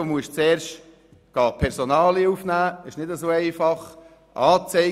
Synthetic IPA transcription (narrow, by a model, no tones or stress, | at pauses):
omuəʃt͡sɛːɾʃt | ɡ̥ɑːpʰɛɾsonɑːliufnæːɪʃnɪdəsoːɛɪfɑχ | ʔɑːt͡sɛɪ